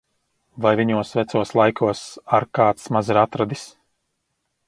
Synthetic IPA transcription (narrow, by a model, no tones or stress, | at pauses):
vajviɲuɔsvɛt̪suɔslˠajkuɔsaɾkaːt̪smaziɾat̪ɾad̪is